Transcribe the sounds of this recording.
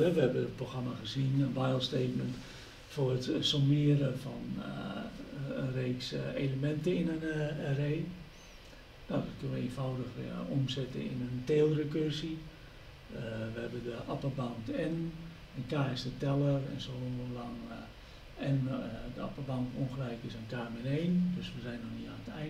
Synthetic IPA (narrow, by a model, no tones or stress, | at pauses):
ɛʋəɛbəət̚proxramaɣəzinənʋajlˠsteːtmənt | forətsomɪəɾəfɔn | ənreːkseləmɛntəɪnənreː | naːdɔt̚kønəʋəeːnfɔwdəxomsɛtəɪ̰nənteːlˠrəkørsi | ʋəhɛbəndəʔapəbantɛn | ənkaːɪsdətɛlˠərɛ̰nsooəlaŋ | ɛndəa̰pərbantonxəlɛjkɪsənkaːmɛneːndøsʋəzɛjnɔxnitanətɛ